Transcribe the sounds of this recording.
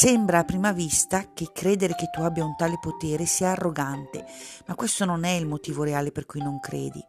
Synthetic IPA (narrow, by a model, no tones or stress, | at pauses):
sɛmbɾaːpːɾiːmavist̪akekːɾeːd̪eɾeket̪ːuabjaunt̪aːlepot̪eːɾesiːaːrːoɡant̪ḛmakːwest̪ononɛilmot̪iːvoɾeaːleperkujnoŋkɾḛːd̪ḭ